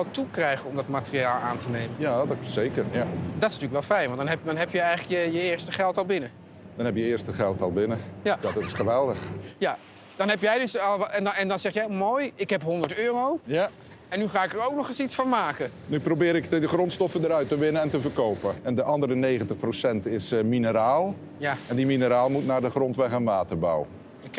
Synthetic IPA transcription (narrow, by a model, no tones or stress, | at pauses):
ɛlˠtukrɛjχənɔmdɔtmaːtəriaːlˠaːntənejmənjadsejkərjadɔtɪsntyːləkʋɛlˠfɛjnʋɑntdɑnɦɛpdɔnɦɛpjəɛjχələkjəjəɪːɹstəχɛlˠtɑlˠbɪnə | d̥ɔnɛpjəɪərstəχɛlˠtɑlˠbɪnəjajadɔtɪ̥sχəʋɛlˠdəχja | dɑnɦɛpjɛjdɵsɑlˠɛnɛndɑnzɛχjamoːjɪkɦɛpɦɔndəɹtøːrowja | ɛnːyχaːɪkəɾowk̚nɔχɪsitsfɑnmaːkənyprowbɪːɾɪkdəχrɔntstɔfədəɾœɥtəʋɪnəɛntəvərkowpəɛndəʔɑndəɾənejɣəntəχprosɛntɪsminəɾaːlˠ | jaɛndiminəɾaːlˠmutnaːɹdəχrɔntʋɛχɛnʋaːtərba̰wə | ɪk